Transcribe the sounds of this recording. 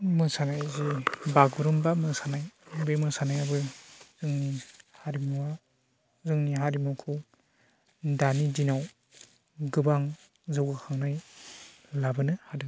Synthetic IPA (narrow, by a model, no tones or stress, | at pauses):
mɯsanajzibaɡuɾɯmbamɯsanajbemɯsanajabɯzɯŋnihaɾimuwa | zɯŋniɦaɾimukʰɯ | danidinaw | ɡɯbaŋ | zɯwɡakʰaŋnaj | labɯnɯhadɯŋ